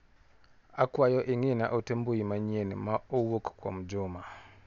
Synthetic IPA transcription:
akwajɔʔeŋena̰ʔotembujimaɲenimaowokkwa̰mud͡ʒuma

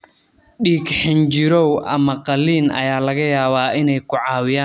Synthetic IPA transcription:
ɗiːkħɪnt͡ʃɪɾɔwʔɐ̰mɐqɐliːnʔɐ̰jaːlɐɣɐjaːβaːʔɪnɛjkʰʊʕɑːwɪjaː

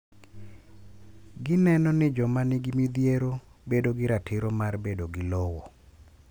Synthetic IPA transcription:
ɡɪnɛnɔnɪd͡ʒɔmanɪɡɪmid̪jeɾobedoɡɪɾatʰɪɾomarbedoɡɪlɔwɔ

